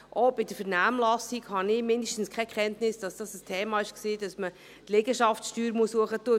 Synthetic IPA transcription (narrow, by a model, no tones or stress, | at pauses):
ʔoːb̥ɪd̥əfɛɾnaːmlɑsiɡhɑnɪmɪndəʃtn̩skʰɛkχɛntnɪsd̥ɑsd̥ɑsəstʰɛːmɑːɪʃksiːd̥ɑsmə | tlɛɡəʃɑftʃtyːɾmuəsːuəχətuə